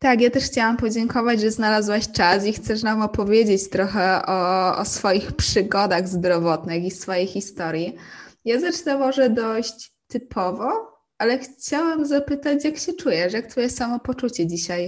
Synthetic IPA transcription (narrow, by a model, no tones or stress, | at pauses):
t̪akjat̪ɛʂxt͡ɕawampɔd͡ʑɛŋkɔvad͡ʑʐɛznalazwaɕt͡ʂasixt̪sɛʂnamɔpɔvʲjed͡ʑet͡ɕt̪ɾɔxɛɔɔ̰sfɔjixpʂɘɡɔd̪aɣzd̪ɾɔvɔt̪nɘxisfɔjejxːist̪ɔɾʲjijazat͡ʂɘnamɔʐɛd̪ɔɕt͡ɕ | t̪ɘpʰɔvɔ | ʔalɛxt͡ɕawɛmzapɘt̪at͡ɕjakɕɛt͡ʂujɛʂjak̚t̪fɔjɛsamɔpɔt͡ʂut͡ɕɛd͡ʑiɕaj